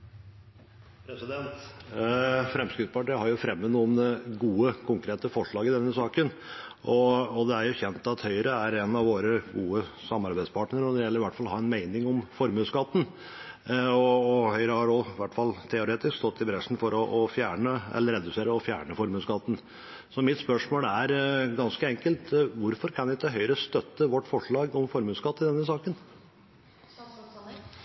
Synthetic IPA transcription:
pʰɾɛsɪd̪ɛnt̪ | fɾɛmskɾɪt̪spɑʈiːhɑɾjʊfɾɛmːənuːnəɡuːəkʰʊŋkɾeːt̪əfɔʂɭɑːɡɪd̪ɛnːəsɑːkən | ʔɔɔd̪ɛæɾjʊçɛnt̪ɑt̪hœʏəɾəæɾɛnɑʋoːɾəɡuːəsɑmɑɾbæɪd̪spʰɑːʈɳəɾɔd̪ɛɾjɛlːəɾʋæʈːfɑlhɑːɾɛnmæɪnɪŋɔmfɔɾmʉskɑt̪ːn̩ | ɔːhœʏɾəhɑɾɔʋæʈːfɑlt̪ʰɛʊɾeːt̪ɪskst̪ɔt̪ːɪbɾɛʂn̩fɔɾɔʔɔfjæːɳəɛ̰lːəɾɛd̪ʉseːɾəɔfjæ̰ːɳəfɔɾmʉːskɑt̪ːn̩ | sɔmɪt̪spœʂmoːlæɾɡɑnskəɛŋkəlt̪ʋʊɾfɔɾkʰɑnɪt̪əɦœʏəɾəst̪œt̪ːəʋɔʈːfɔʂɭɑːɡɔmfɔɾmʉːskɑt̪ːɪd̪ɛnːəsɑːkən

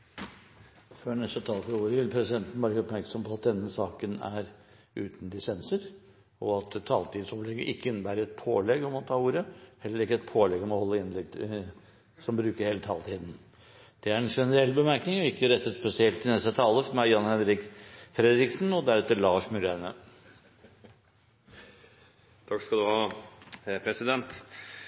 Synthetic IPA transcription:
fœnɛst̪ət̪ʰɑːlfɾuːɾəʋɪlpʰɾɛsɪd̪ɛnt̪n̩bɑːɾəɔpmæɾksɔmpʰɔɑt̪̚d̪ɛnːəsɑːkənæ̰ɾ | ʉ̰ːt̪nd̪ɪsɛnsəɾ | ɔɑt̪t̪ʰːɑːlt̪ʰiːd̪nsɔplɛɡəʔɪkːəɪnːəbæːɾəɾɛt̪̚pʰoːlɛɡɔmɔt̪ʰɑːuːɾəhɛlːəɾɪkːəɛt̪̚pʰoːlɛɡɔmɔhɔlːəɪnlɛɡ̪̚ | sɔmbɾʉːkəɾheːlət̪ʰɑːlt̪ʰiːd̪n̩ | d̪̥ɛæɾɛnʂɛnəɾɛlːbəmæɾknɪŋɔɪkːəɾɛt̪ːət̪spɛsɪɛlt̪ʰːɪnɛst̪ət̪ʰɑːləfɔmæjɑnhɛnɾɪkfɾɛd̪ɾɪksn̩ɔd̪æɾɛt̪ːəɭɑːʂmʉɾænə | t̪ʰɑkskɑd̪ʉhɑː | pʰɾɛsɪd̪ɛnt̪

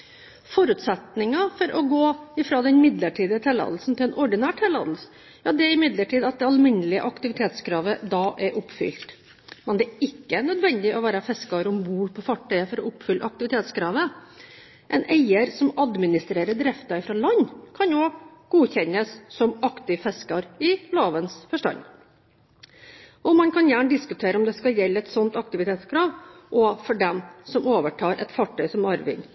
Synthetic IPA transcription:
fɔɾʉt̪sɛt̪nɪŋɑfɔɾʔɔɡoːɪfɾoːd̪ɛnmɪd̪ləʈʰiːd̪ət̪ʰɛlɑ̰ːd̪l̩sn̩t̪ʰɪɛːnɔɖɪnæːʈʰɛlɑ̰ːd̪l̩sə̥ | jɑːd̪ɛɾɪmɪd̪ləʈiːd̪ɑt̪̚d̪ɛɑlmɪnːəlɪə̰ʔɑkt̪ɪʋɪt̪ʰeːt̪skʰɾɑːʋəd̪ɑːʔæɾʔʊpːfʏ̰lt̪ | mɛnd̪ɛɪkːəæɳœd̪ʋɛnd̪ɪʔɔʋæːɾɑfɛskɑɾɔmbuːɾpʰɔfɑʈʰːœʏəfɔɾɔʊpːfʏlːə̰ɑk̚t̪ɪʋɪt̪ʰeːt̪skʰɾɑːʋə | ʔɛnæɪəɾsɔmɑd̪mɪnɪst̪ɾeːɾəɖɾɛft̪ɑɪfɾɑːlɑnːkʰɑnoɡ̥uːçɛnːəsːɔmɑkt̪ɪʋfɛskɑɾɪloːʋənsfɔʂʈɑ̰nː | ɔmɑnkʰɑnjæːɳɖ̪ɪskʉt̪ʰeːɾəɔmd̪ɛskɑljɛlːəɛt̪sɔnt̪ɑk̚t̪ɪʋɪt̪ʰeːt̪skʰɾɑːʋʔɔfɔɖɛmsɔmoːʋəʈʰɑːɾʔɛ̰t̪fɑʈʰœʏsɔmɑɾʋɪ̰ŋ

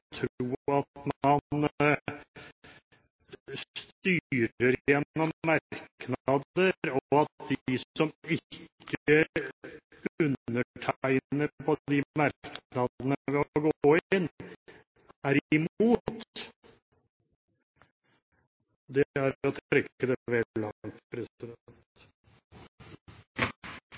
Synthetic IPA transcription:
t̪ʰɾuːɑt̪mɑn | st̪yːɾəɾjɛnːɔmːɑknd̪əɾɔɑt̪̚d̪ɪɪsɔmɪkʰːə | ʉnːəʈʰæɪnnəpʰɔd̪ɪmɑɾknɑd̪ənəʋɛɔɡoːɪnː | æɾɪmuːt̪ | d̪ɛæɾɔt̪ʰɾɛkːəd̪ɛʋɛlːɑt̪pɾɛsɪd̪nt̪

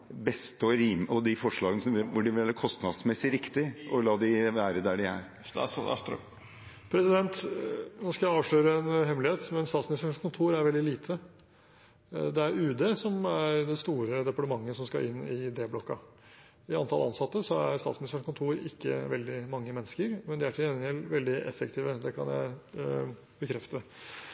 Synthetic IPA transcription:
bɛst̪ɔɾiːmɔd̪ɪfɔʂɭɑːɡənəsɔmʋɪʋʊɖɪʋɪæɾɾkʰɔst̪nɑd̪smɛsːɪɾɪkt̪ɪʔɔlɑːd̪ɪʋæːɾəd̪æɖɪæ̰ɾ | ɑ̰st̪ɾ | pʰɾɛsɪd̪ɛnt̪nɔskɑɑːʋʂɭøːɾəɛnɦɛmlɪeːt̪mɛnst̪ɑːt̪smɪnɪst̪ɾəɳkʊnt̪ʰuːɾæɾʋɛld̪ɪliːt̪ʰə | d̪ɛæɾʉːd̪eːsɔmæɾd̪ɛst̪uːɾəd̪ɛpɑʈəmɑŋːəsɔmskɑ̰ɾʔɪnːɪd̪eːblɔkːɑ | ɪɑnt̪ʰɑlɑ̰nsɑt̪ːəsɔæ̰ɾst̪ɑ̰ːt̪smnɪst̪əɳkʊnt̪ʰuːɾɪkːə̰ʋɛld̪ɪmɑŋːəmɛnːəskəɾmɛnd̪ɪæʈʰɪɛnɛlʋɛld̪ɪʔɛ̰fːək̚t̪ʰiːʋəd̪ɛkʰɑ̰njæ̰ɪ | bəkʰɾɛft̪ə

